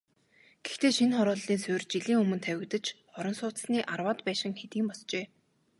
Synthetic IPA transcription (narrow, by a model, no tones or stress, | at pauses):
ɡ̥e̥xt̪eːʃinχɔɾʊːɮːiːnsʊːrt͡ɕiɮiːŋɵmɵ̆nt̪ʰæwʲɪ̆kt̪ə̆t͡ɕχɔɾɞ̆nsʊːt͡s̪sniːʔarwaːt̪pæːʃɪ̆ŋxet̪iːmpɔst͡ɕeː